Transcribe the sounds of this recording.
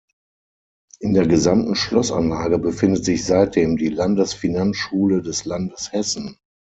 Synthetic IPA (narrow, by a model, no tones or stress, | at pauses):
ʔɪndeːɐɡəzamtn̩ʃlɔsa̰nlaːɡəbəfɪndətz̥ɪçz̥aɪt̚d̥eːmdiːlandəsfinansʃuːlədɛslandəshɛsn̩